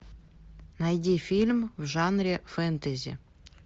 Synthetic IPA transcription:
nɑjd̪ʲifʲilʲmvʒɑnrʲefent̪ezʲḭ

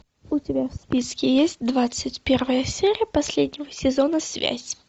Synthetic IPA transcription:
ʊtʲɪbʲafspʲiskʲɪjesʲt̚ʲd̪vat̪sɨtʲpʲervəjəsʲeɾʲɪjəpɐsʲlʲedʲnʲɪvəsʲɪzonəsvʲæ̰zʲ

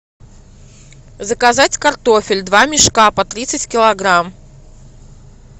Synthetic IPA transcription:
zəkɐzatʲkɐrt̪ofʲɪlʲd̪vamʲɪʂkapɐt̪ɾʲit̪sɨtʲkʲɪlˠɐɡɾam

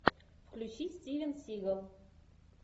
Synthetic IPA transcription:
fklʲuɕisʲtʲivʲənsʲiɣəlˠ

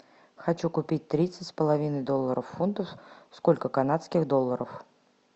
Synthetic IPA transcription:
xɐt͡ɕukʊpʲit̚ʲt̪ɾʲit̪sətʲspəlˠɐvʲinəjd̪o̞lˠːəɾʔəfːunt̪əfsko̞lʲkəkɐnat̪skʲɪxd̪o̞lˠːəɾəf

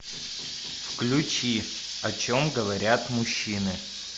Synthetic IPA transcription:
fklʲʊt͡ɕi | ɐt͡ɕomɡəvɐɾʲat̪mʊɕːinɨ

